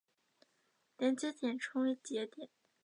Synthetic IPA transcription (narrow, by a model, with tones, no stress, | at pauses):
t̪jɛ˧˩˦nt͡ɕjɛ˧˥t̪jɛ˨˩nʈ͡ʂʰʊ˥ŋi˧˥t͡ɕjɛ˧˥t̪jɛ˨˩˦n